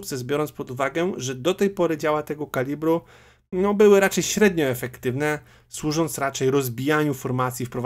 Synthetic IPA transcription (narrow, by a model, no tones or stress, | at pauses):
kt̪sɛzbʲjɔɾɔnspɔd̪uvaɡɛʐɛd̪ɔt̪ɛjpɔɾɘd͡ʑawat̪ɛɡɔkalʲibɾu | nɔbɘwɘɾat͡ʂɛjɕɾɛd̪ɲɔɛfɛkt̪ɘvnɛ | swuʐɔnt̪sɾat͡ʂɛjɾɔzbʲijaɲufɔɾmat̪sʲjifpɾɔv